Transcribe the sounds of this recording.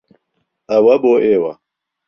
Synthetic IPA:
awaboʔewa̰

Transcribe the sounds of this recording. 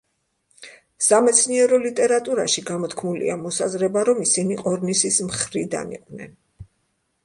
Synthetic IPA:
samɛt̪sʰniɛɾɔlit̪ʼɛɾat̪ʼuɾaʃiɡamɔt̪kʰmulḭamɔsazɾɛbaɾɔmisiniqʼɔɾnisismχɾid̪a̰nḭqʼwvnɛ̰n

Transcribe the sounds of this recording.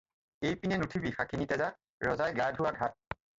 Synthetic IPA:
ejpinɛnutʰibixakʰinitɛza | ɹɔzajɡadʱuwaɡʱat̚

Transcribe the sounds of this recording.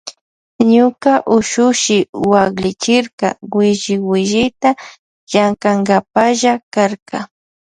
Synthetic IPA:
ɲʊkaʔʊʃʊʃɪwaklɪt͡ʃɪɾka̰wɪʒɪwɪʒɪt̪a | ʒaŋkaŋɡapaʒakaɾka

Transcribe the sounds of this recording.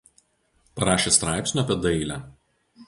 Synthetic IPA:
pɐɾɑːʃʲeːst̪ɾɑˑɪpʲsʲnʲuɐpʲiɛd̪ɐɪlʲæː

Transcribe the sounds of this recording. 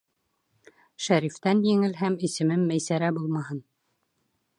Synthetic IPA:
ʃæɾift̪ænjɘ̆ŋɘlɦæmisɘ̆mɘmːæjsæɾæbulˠmɑhɤn

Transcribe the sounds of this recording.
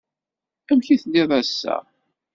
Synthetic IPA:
æmçiθdɪðˤæsːæ̰

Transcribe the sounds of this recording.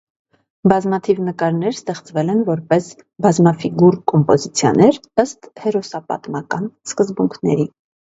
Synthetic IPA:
bɑzmɑt̪ʰivnəkɑɾnɛɾst̪ɛχt͡svɛlɛnvɔɾpɛs | bɑzmɑfiɡuɾkɔmpɔzit͡sʰjɑ̰nɛɾəst̪hɛɾɔsɑpɑ̰t̪mɑkɑnskəzbuŋkʰnɛ̰ɾi

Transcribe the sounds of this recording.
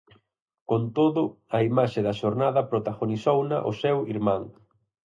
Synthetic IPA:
kont̪oðʊɐimaʃeðɐʃoɾnaðɐpɾot̪aɣonisownɐ̰ʔʊ̰sɛwiɾmãŋ

